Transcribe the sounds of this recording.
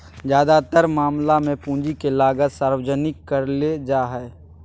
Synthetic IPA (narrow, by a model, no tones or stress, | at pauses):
d͡ʒjaːd̪at̪əɾmaːmlamẽpũːnd͡ʒikelaːɡət̪saːɾwəd͡ʒənɪkːəɾled͡ʒaːɦɛː